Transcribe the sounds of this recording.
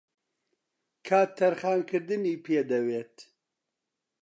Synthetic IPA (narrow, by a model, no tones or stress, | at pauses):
kʰaːt̪ʰːɐɾχaːnkʰɨɾd̪ɨniːpʰeːd̪ɐweːt̪